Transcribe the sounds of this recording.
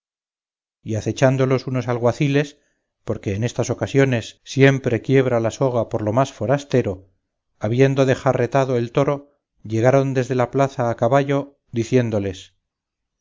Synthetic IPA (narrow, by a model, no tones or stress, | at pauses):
iaθe̞t͡ʃand̪o̞lo̞suno̞salɣwaθile̞s | po̞ɾkeːne̞st̪aso̞kasjo̞ne̞sːje̞mpɾe̞kje̞βɾalaso̞ɣ̞apo̞ɾlo̞masfo̞ɾast̪e̞ɾo̞ | aβje̞nd̪o̞ðe̞xare̞t̪aðo̞e̞lt̪o̞ɾo̞ | ʎe̞ɣ̞aɾo̞nd̪e̞zðe̞laplaθaːkaβaʎo̞ | d̪iθje̞nd̪o̞le̞s